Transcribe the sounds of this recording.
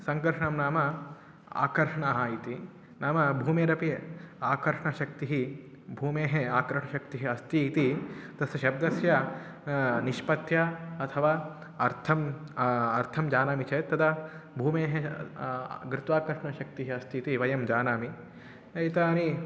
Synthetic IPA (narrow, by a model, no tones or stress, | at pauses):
sɐŋkɐɾʂɐɳɐmnaːmɐ | a̰ːkɐɾʂɐɳaɦaːjit̪i | naːmɐbʱuːmeːɾɐpiaːkɐɾʂɐɳɐʃɐk̚t̪iɦi | bʱuːmeːɦeaːkɾɐʂɳɐʃɐkt̪iɦiɐst̪iːt̪it̪ɐsɐʃɐb̚d̪ɐsjɐ | niʃpɐt̪jɐɐt̪ʰɐʋaː | ɐɾt̪ʰɐm | ɐɾt̪ʰɐmd͡ʒaːnaːmit͡ʃɐt̪ːɐd̪ɐbʱuːmeːɦe | ɡɾɪt̪ʋaːkɐɾʂɐɳɐʃɐk̚t̪iɦiɐst̪iːt̪iʋɐjɐmd͡ʒaːnaːmi | ɐit̪aːni